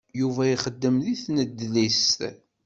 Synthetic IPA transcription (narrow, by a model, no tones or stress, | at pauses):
juvæiχəd̪ːəmðiθnəd̪ːlist̪